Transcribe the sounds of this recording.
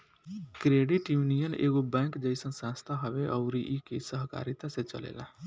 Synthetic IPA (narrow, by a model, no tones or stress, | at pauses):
kɾeɖiʈiunijənḛɡobɛ̃ŋkd͡ʒəɪsə̃nsãst̪ʰaɦəbeʔəʊɾiʔikesəɦka̰ɾit̪asẽt͡ʃə̰lḛla̰